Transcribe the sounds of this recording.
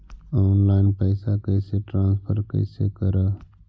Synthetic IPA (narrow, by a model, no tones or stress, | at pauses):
ɔːnlaːɪnpəɪsakəɪseʈɾãːnspʰəɾkə̰ɪsekəɾaː